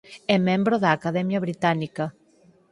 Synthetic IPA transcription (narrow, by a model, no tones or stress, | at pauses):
ɛmɛ̃mbɾoðaːkaðɛmjaβɾit̪anika